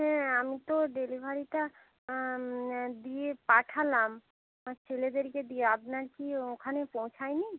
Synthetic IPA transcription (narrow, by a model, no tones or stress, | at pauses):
ɦɛ̃amit̪oɖelibʱaɾiʈa | d̪iepaʈʰalam | t͡ɕʰeled̪eɾked̪ijeapnaɾkiokʰanepõw̃t͡ɕʰajni